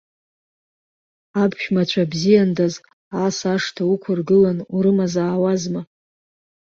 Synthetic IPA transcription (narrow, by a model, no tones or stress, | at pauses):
abʃᶣmat͡ɕʷʰabzijandaz | asaʂtʰaukʷʰʊrɡɨlanuɾɨmazaːwazma